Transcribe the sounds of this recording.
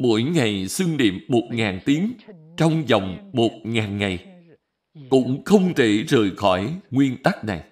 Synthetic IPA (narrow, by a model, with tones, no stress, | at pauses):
mo̰˧˥jŋa˨˩jswi˧ŋɗḭ˧˨əmːo˨˩t̚ŋaː˨˩nt̪i˨˦əŋt͡ɕɔ˧wŋ͡mzɔ˨˩wŋ͡mmo˨˩t̚ŋaː˨˩nŋa˨˩j | kʊ̰˧˥ŋ͡mxə˧wŋ͡mt̪ḭ˧˩zəː˨˩jxɔ˧˩jŋwi˧ənt̪a˦˥k̚na˨˩j